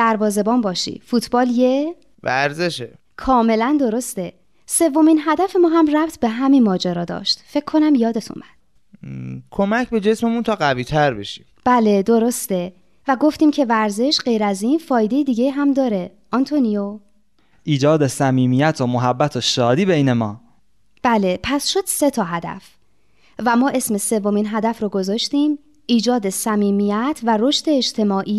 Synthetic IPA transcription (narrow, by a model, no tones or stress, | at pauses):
d̪̥æɾvɒːze̞bɒːmbɒːʃḭfut̪ʰbɒːlje | væ̰ɾzeʃe | kʰɒːme̞lænd̪o̞ɾo̞st̪e | se̞vːo̞minɦæd̪æfe̞mɒːɦæmræb̥t̪ʰbe̞ɦæminmɒːd͡ʒæɾɒːd̪ɒ̰ːʃt̪fe̞cʰːo̞næmjɒːd̪e̞t̪ʰṵnbæd̪̥ | kʰomæcʰbe̞d͡ʒe̞smemunt̪ʰɒːɢæviːt̪ʰæɾbe̞̰ʃi̥̰mb̥æːle̞d̪oɾo̞st̪e̞ | væɡo̞ft̪iːmcʰe̞væɾze̞ʃɢe̞jɾæziːnfɒːjd̪e̞jed̪iːɟe̞jɦæmd̪ɒːɾe̞ | ʔɒnt̪ʰonijo | ʔiːd͡ʒɒːd̪esæmiːmijæt̪ʰomoɦæbːæt̪ʰoʃɒːd̪iːbejne̞mɒː | b̥æle̞pʰæsʃo̞d̪̥se̞t̪ʰɒːɦæd̪æ̰f | væmɒːʔe̞sme̞se̞vːo̞minɦæd̪æfɾɔːɡo̞zɒːʃt̪iːm | iːd͡ʒɒːd̪e̞sæmiːmijæt̪ʰvæɾo̞ʃt̪e̞ːd͡ʒt̪ʰe̞mɒːʔiː